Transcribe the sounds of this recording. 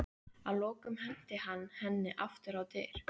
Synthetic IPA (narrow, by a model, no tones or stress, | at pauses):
aðlɔːkʏmhɛn̥t̪ɪhanːhɛnːɪʔaft̪ʏɾawt̪ejɾ̥